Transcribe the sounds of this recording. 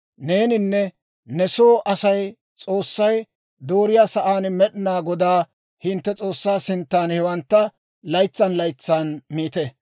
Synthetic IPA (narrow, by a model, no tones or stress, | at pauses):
ne̞ːnɪnːɛ | nɛsoːʔɐsɐj | t͡sʼo̞ːsːɐj | d̪o̞ːɾɪjaːsɐʔaːnmɛɗɪnaːɡɔd̪aː | hɪnt̪ːɛt͡sʼo̞ːsːaːsɪnt̪ːaːnhɛwɐnt̪ːɐ | lɐjt͡sːɐnlɐjt͡sːaːnmiːt̪ɛ